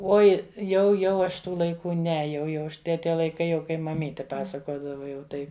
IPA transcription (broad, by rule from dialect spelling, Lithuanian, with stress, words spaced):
ˈoːɪ jɛʊ ˈjɛʊ ɐʃ ˈtuː lˠɐɪˈkuː ˈnʲɛ ˈjɛʊ jɛʊ ˈɐʃ ˈtʲɛ ˈtʲiɛ lˠɐɪˈkɐɪ kɐɪ mɐˈmʲiːtʲɪ ˈpɑːsɐkoːdɐʋɐ jɛʊ ˈtɐɪ